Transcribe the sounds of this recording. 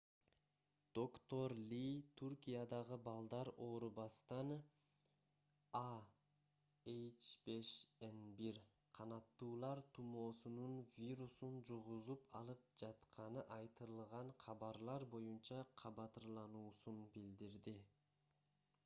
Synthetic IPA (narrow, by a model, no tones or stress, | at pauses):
d̪̥o̞kt̪o̞ɾlʲit̪ʰurkijɑd̪ɑʁɯbɑlˠd̪ɑɾo̞ːɾubɑst̪ɑn | a | ejt͡ʃbe̞ʃenbiɾ | qʰɑnɑt̪ːuːlˠɑɾt̪ʰumo̞ːsununvʲiɾusund͡ʒuʁuzupɑ̰lˠɯp̚d͡ʒɑt̪qʰɑnɯʔɑjt̪ɯɾɯlˠʁɑɴqʰɑβɑɾlˠɑɾbo̞junt͡ʃɑqʰɑβɑt̪ɯɾlˠɑnuːsunbild̪iɾd̪i